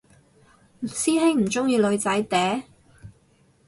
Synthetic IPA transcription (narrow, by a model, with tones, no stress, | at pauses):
siː˥ɦɪ˥ŋm̩˨˩t͡sʊ˥ŋjiː˧lɵ˨˧ɥt͡sɐ˨˥jt̪ɛː˨˥